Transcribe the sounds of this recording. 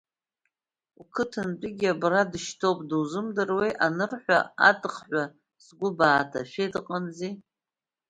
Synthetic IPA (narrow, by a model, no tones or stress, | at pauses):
ukʰɨtʰɨnt͡pʼɪɡʲabradɨʃtʰowpʼdɨwzɨmdɨrwejʔanɨrħʷᶣa̰a̰tʼɨχħʷa | sɡʷʊbaːtʰa̰ʃᶣedqʼanzi